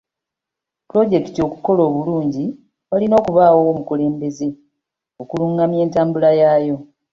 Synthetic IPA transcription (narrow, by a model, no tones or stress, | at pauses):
pulo̞ɟe̞ki̥tio̞ku̥ko̞lo̞ːβuluːɲɟi | walino̞ːkuβaːwomukule̞ːmbe̞ze̞ | okuluːŋɡamje̞ːntaːmbulajaːjo̞